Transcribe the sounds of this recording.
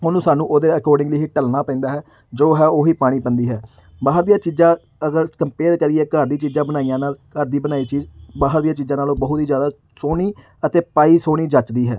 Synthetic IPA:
oːnũːsaːnũːʔoːd̪eːəkɔːɾɖɪ̃ŋɡliːɦiʈəlnaːpɛ̃ːnd̪aːɦɛː | d͡ʒoːɦɛːoːɦiːpaːɽ̃iːpənd̪iːɦɛː | baːɦəɾd̪iːaːt͡ʃiːzãː | əɡəɾkəmpeːɾkəɾiɛːkəɾd̪iːt͡ʃiːzãːbənaːijãːnaːlkəɾd̪iːbənaːiːt͡ʃiːbaːɦəɾd̪ijãːt͡ʃiːzãːnaːloːbəɦʊt̪iːzjaːd̪aː | soːniː | ət̪eːpaːiːsoːɽ̃iːd͡ʒət͡ʃd̪iːɦɛː

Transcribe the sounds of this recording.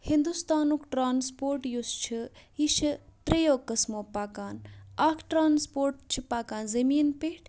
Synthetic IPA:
hind̪ust̪aːnukʈɾaːnspoːɾʈjust͡ʃʰiiʃʰt̪ɾejoːkɐsmoːpaːkaːnaːkʰʈɾaːnspoːɾʈt͡ʃʰipaːkaːnzɐmiːnpeʈʰ

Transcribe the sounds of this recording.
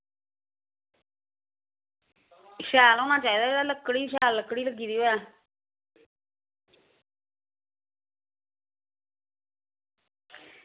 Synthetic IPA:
ʃɛːlɔːnaːt͡ʃaːiːd̪aːeaːləkːɽiːʃɛːlːəkːɽiːləɡiːd̪iːɛː

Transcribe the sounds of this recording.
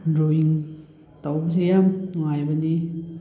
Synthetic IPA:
ɾojiŋ | tawbɐsejamŋajbɐni

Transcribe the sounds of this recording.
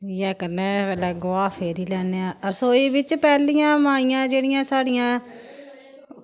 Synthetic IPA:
jɛːkəɾnɛ̃ːpɛːlɛːɡʊʋaːpʰeːɾiːlɛːneːãːəɾsoːiːʋɪt͡ʃpɛːlɪjãːmaːiːjãːd͡ʒeːɽɪjãːsaːɽɪjãː

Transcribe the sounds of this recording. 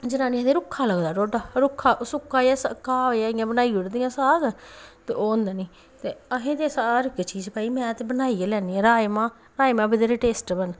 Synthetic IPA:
d͡ʒɪnãːnĩɛ̃t̪ẽːɾʊkʰːaːləɡd̪aːʈoːɖaːɾʊkʰːaːsʊkʰːaːjaːsəkːaːjaːɪjãːbənaːiʊɽd̪ɪjãːsaːɡt̪ḛːʔoːnd̪aːnĩː | t̪eːəɦẽːt̪eːsaːɾɪket͡ʃiːzpaːiːmɛ̃ːt̪eːbənaːiːelɛːniːãːɾaːemãː | ɾaːemãːbɪd̪eːɾeːʈeːsʈbən

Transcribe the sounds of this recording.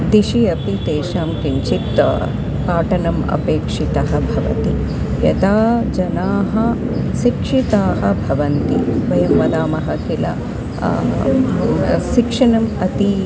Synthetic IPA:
d̪iʃiɐpit̪eːʃaːmkiɲt͡ʃit̪ | paːʈɐnɐmɐ̰peːkʂit̪ɐɦɐbʱɐʋɐ̰t̪i | jɐt̪aːd͡ʒɐnaːɦɐ | ʃikʂit̪aːɦɐbʱɐʋɐnt̪ibɐjɐmːɐd̪aːmɐɦɐkilɐ̰ | ʃikʂɐnɐmɐt̪i

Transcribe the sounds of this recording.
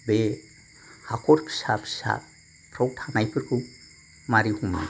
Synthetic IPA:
bɛ | hakʰɔɾkʰi̥sapʰi̥sa̰ | pʰɾɔw̚ʈʰanajpʰɯɾkʰu | maɾihuma̰

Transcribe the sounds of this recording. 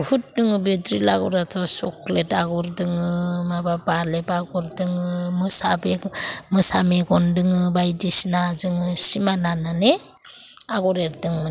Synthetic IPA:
hut̚dɯŋɯbedɾila̰ɡɔɾatʰɔsɔ̰kletaɡɔɾdɯŋɯmababalebaɡɔɾdɯŋɯmɯsabemɯsameɡɔndɯŋɯbajdisnazɯŋɯsimananane | aɡɔɾeɾdɯŋ

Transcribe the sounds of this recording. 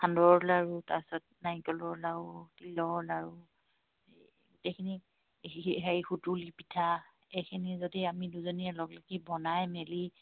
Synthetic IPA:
hʰandɔɹɔlaɹuta̰pisɔt̚najkɔlɔɹlautilɔɹlaɹu | ɡutejkʰini | iɦaɹixutulipitʰa | ejkʰinizodiamiduzɔniɛlɔɡlakibɔnajmeli

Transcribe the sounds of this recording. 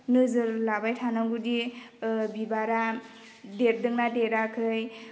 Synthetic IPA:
nɯzɯɾlabajtʰanaŋɡudi | bibaɾa | deɾ̚dɯŋnadeɾakʰɯj

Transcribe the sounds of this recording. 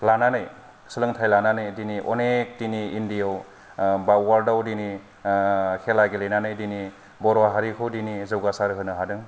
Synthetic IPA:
lananɯj | sɯlɯŋtʰajlananɯjdiniʔɔ̰nek̚diniindijaw | bawwaldawdini | kʰelaɡelejnanɯjdini | bɔɾwaɦaɾikʰɯwdinizɯwɡasaɾɯɦɯnɯɦadɯŋ

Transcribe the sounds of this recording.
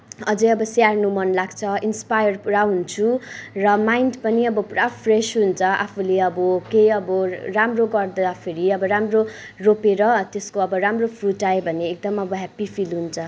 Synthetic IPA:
ʌd͡zʌʌbʌsarnumʌnlaɡt͡sʰʌinspajʌrpuɾaɦunt͡sʰurʌmajnɖpʌniʌbʌprapʰresɦunt͡sʰʌʔa̰pʰuleʌbʌkejʌbʌramroɡʌrd̪ʌd̪apʰeɾiʌbʌɾamro | ropeɾʌt̪eskoʌbʌɾamropʰruʈaebʱʌneːk̚d̪ʌmʌbʌɦapipʰilɦunt͡sʰʌ

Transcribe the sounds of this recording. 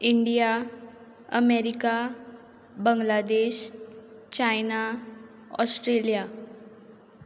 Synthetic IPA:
iɳɖija | əmeɾika | bəŋɡlad̪eɕ | t͡ɕajna | ɔ̰sʈɾelija

